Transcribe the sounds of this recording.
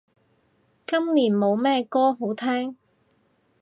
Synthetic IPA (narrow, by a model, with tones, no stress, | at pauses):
kɐ˥mliː˨˩nmo˨˧wmɛː˥kɔː˥ɦo˨˥wt̪ʰɛː˥ŋ